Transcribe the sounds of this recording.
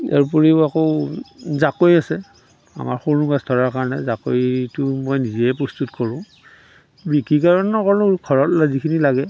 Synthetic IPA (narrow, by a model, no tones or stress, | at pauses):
a̰ɹp̬uɹiako | zakojasɛ | a̰maɹxonuɡasdʰʱɔɹaɹkaɹɔnɛzakojtʊmɔjnizɛjɛpɹɔstutkɔɹʊ̃ | bikikaɹɔnnɔkɔɹʊɡʰʱɔɹɔtlazikʰinilaɡɛ